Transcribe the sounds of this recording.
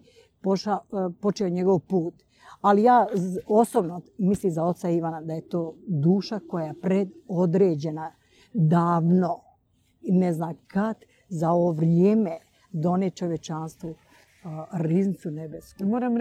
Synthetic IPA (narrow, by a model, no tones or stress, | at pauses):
poʃapo̞t͡ʃeoɲe̞ɡo̞ʋpuːt̪ | alijaːo̞sobnomislimzao̞t̪saiʋanad̪aje̞t̪oːd̪uːʃako̞japɾed̪o̞d̪ɾeːd͡ʑena | d̪aːʋno̞ | neznaːkat̪ | zaooʋɾjeːme | d̪o̞net͡ʃo̞ʋjet͡ʃanst̪ʋu | ɾiznit̪sunebeskumoːɾam